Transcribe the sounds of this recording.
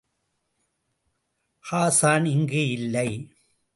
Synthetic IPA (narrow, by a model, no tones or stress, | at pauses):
haːsaːnɪŋɡɯɪlːɐɪ